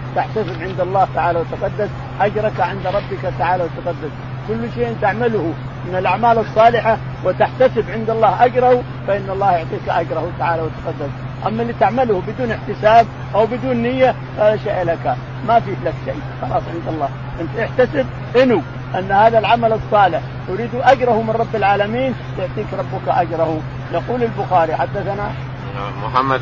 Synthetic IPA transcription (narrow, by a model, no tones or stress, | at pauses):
t̪ɪħt̪asɪbʕɪnd̪ɑlˤːɑːht̪aʕaːlawt̪aqɑd̪ːas | ʔad͡ʒɾˤɑkaʕɪnd̪ɾˤɑbːɪkat̪aʕaːlawɪt̪aqɑd̪ːas | kʊlːʃeːʔɪnt̪aʕmalʊhu | mɪnɪlʔaʕmaːlɑsˤːɑːlɪħa | wɪt̪aħt̪asɪbʕɪnd̪ɑlˤːɑːhʔad͡ʒɾˤɑhu | faʔɪnːɑlˤːɑːhjʊʕt̪ˤiːkaʔad͡ʒɾˤɑhut̪aʕaːlawɪt̪ḁqɑd̪ːas | ʔamːalːiːt̪aʕmalʊhbɪd̪uːnɪħt̪ɪsaːb̚ | ʔawbɪd̪uːnːɪjːa | faːðaʃaːʔlaka | mafiːflakʃa̰j | xɑlɑːsˤʕɪnd̪ɑlˤːɑː | ʔɪnt̪ʔɪħt̪asɪb̚ | ʔɪnu | ʔanːhaːðalʕamalɨsˤːɑːlɪħ | jʊɾiːd̪uʔad͡ʒɾˤɑhumɪnˤɑbːɪlʕaːlamiːn | jʊʕt̪ˤiːkɾˤɑbːʊkaʔad͡ʒɾˤɑhu | jɑquːlɪlbʊxaːɾiħad̪ːaθana | ħamːa